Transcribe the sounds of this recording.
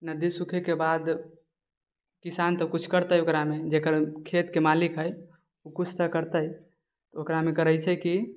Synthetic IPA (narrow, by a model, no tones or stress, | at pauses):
nəd̪isukʰekebad̪ | kisant̪ɔkut͡ʃʰkəɾt̪əjokɾamed͡ʒekəɾkʰet̪kemalikɦəj | ukut͡ʃʰt̪əkəɾt̪əj | t̪okɾamekəɾəjt͡ʃʰɛki